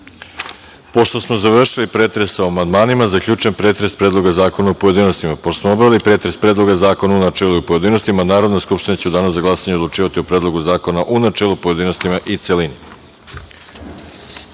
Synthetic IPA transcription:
po̞ʃt̪o̞smozaʋr̩ʃilipɾe̞ːt̪ɾe̞soamand̪maːnimazakʎʲuːt͡ʃempɾe̞ːt̪ɾe̞spɾe̞ːd̪lˠo̞ɡazaːko̞naupoje̞d̪inost̪imapoosmoobɾaʋilipɾet̪ɾe̞spɾeːd̪lˠo̞ɡazaːko̞naunat͡ʃeːluipoje̞d̪ino̞st̪imanaːɾo̞d̪neskupʃt̪inet͡ɕud̪anasaɡlˠasaɲed̪lˠut͡ʃiːʋat̪iopɾeːd̪lˠo̞ɡuzaːko̞naʔunat͡ʃelˠupoje̞d̪ino̞st̪imaʔit̪selini

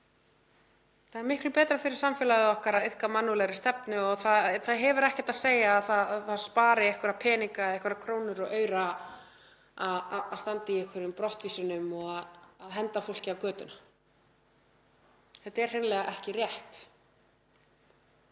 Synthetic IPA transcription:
θaðɛɾmɪhklʏpɛːt̪ɾafɪɾɪɾ̥samfjɛlaðʏɔhkaɾaðɪðhkamanːulɛɣɾɪ̥st̪ɛpnʏɔɣθaðθaðɦɛvʏɾɛhcɛt̪aðseːjaːðθaðθaðspaːɾɪɛhkvʏɾapʰɛːniŋkaðɛhkvʏɾakʰɾoːwnʏɾɔɣʔœːɥɾa | aðaðst̪ant̪ɪiɛhkʰvʏɾʏmpɾɔht̪viːsʏnʏmɔɣaðːðɦɛnt̪afol̥cɪawkœːt̪ʏnḁ | θɛt̪ɛɾ̥hejnlɛɣaʔɛhcɪrjɛht̪

